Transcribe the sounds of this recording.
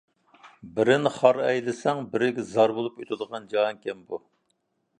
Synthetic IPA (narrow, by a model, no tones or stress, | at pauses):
bɪɾɪnχɑɾɛjlɪsɛŋbɪɾɪɡʲɛzɑɾbolˠupøt̪ʰɪd̪əʁɑnd͡ʒɑŋkʲʰɛmbu